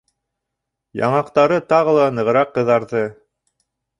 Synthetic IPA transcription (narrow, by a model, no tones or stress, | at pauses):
jɑ̰ɴɑqt̪ɑɾɤt̪ɑʁɤ̆lˠɑnɤ̆ʁɤ̆ɾɑqːɤ̆ðɑɾðɤ